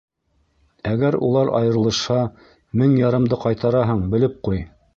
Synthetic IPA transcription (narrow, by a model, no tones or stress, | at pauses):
æɡæɾṵlˠɑɾʔɑ̰jɤ̆ɾɤ̆lˠɤ̆ʃhɑ | mɘŋjɑɾɤ̆md̪ɤqɑjt̪ɑɾɑɦɤɴbɘ̆lɘp̚quj